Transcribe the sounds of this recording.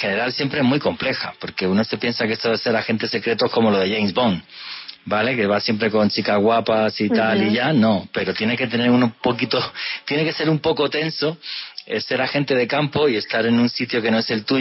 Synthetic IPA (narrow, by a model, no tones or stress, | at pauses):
xe̞ne̞ɾalsje̞mpɾe̞emwuiko̞mple̞xapo̞ɾke̞uno̞se̞pje̞nsakeest̪oðase̞ɾaxe̞nt̪e̞se̞kɾe̞t̪o̞ko̞moloð̞e̞ʝejnzβo̞ŋbale̞ke̞β̞asje̞mpɾe̞ko̞nt͡ʃikazɣwapasit̪aliʝano̞pe̞ɾot̪je̞ne̞ke̞t̪e̞ne̞ɾunopo̞kit̪o̞t̪je̞ne̞ke̞se̞ɾumpo̞ko̞t̪e̞nso̞ese̞ɾaxe̞nt̪e̞ð̞e̞kampo̞ie̞st̪aɾe̞nũnsit̪jo̞ke̞no̞e̞se̞lt̪u